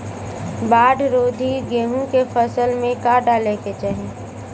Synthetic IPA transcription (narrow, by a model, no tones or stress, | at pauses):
baːɖʱɾoːd̪ʱiɡeːɦũkefʰəsəlmẽkaɖaːleket͡ʃəɦẽː